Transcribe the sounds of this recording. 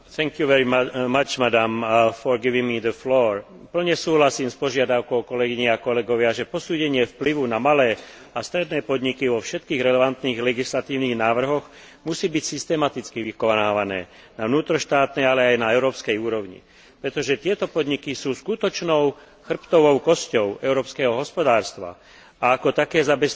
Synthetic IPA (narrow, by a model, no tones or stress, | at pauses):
θɛŋkjuʋɛɾiːat͡ʃmad̪amfɔɾɡiʋiŋmid̪əflɔːɾ | pl̩ɲɛsuːɦlasiːmspɔʒɪad̪aʊkɔʊkɔlɛɡiɲɛakɔlɛɡɔʋɪaʒɛpɔsuːɟɛɲɪɛfpliʋunamalɛː | ast̪ɾɛd̪nɛːpɔd̪ɲikiʋɔfʃɛt̪kiːɣɾɛlɛʋant̪niːɣlɛɡislat̪iːʊniːɣnaːʋr̩ɦɔɣ | musiːbicsist̪ɛmat̪it͡skiʋikɔnaːʋanɛː | naʋnuːt̪ɾɔʃt̪aːt̪nɛjalɛajnaɛʊɾɔːpskɛjuːɾɔʊɲḭ | pɾɛt̪ɔʒɛt̪ɪɛt̪ɔpɔd̪ɲikisuːskut̪ɔt͡ʃnɔʊ | xr̩pt̪ɔʋɔʊkɔscɔʊɛʊɾɔːpskɛːɦɔɦɔspɔd̪aːɾst̪ʋa̰ | aːkɔt̪akɛːzabɛs